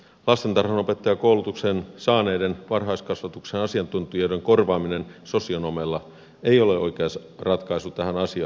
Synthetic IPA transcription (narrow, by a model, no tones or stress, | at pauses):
lɑst̪e̞nt̪ɑrhɑno̞pe̞t̪ːɑjɑkowlut̪uksensɑːneːdenʋɑrɦɑiskɑsʋɑt̪uksenɑsiɑnt̪unt̪ujodeŋkorʋɑːminenso̞sionomelːɑ | eio̞leʔo̞̰ikeɑs | rɑt̪kɑisut̪æɦænɑsiɑ̰ː